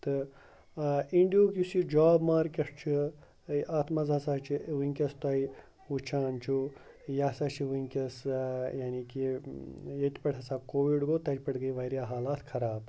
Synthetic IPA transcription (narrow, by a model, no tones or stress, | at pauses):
t̪ɨ | iɳɖijoːkusid͡ʒaːbmaːɾkʲɐʂt͡ʃʰi | ʔaːt̪ʰmɐzɐsaːt͡ʃʰiʋiŋkʲɐst̪aːi | ut͡ʃʰaːnt͡ʃʰu | jasaːt͡ʃʰiʋuŋʲkʲɐsjaːniki | jet̪ʲpɐʈʰɦɐsaːkoːʋiɖɡoːt̪ɐt͡ʃpɐʈɡɐjʋɐɾjaːɦaːlaːt̪ʰkʰɐɾaːb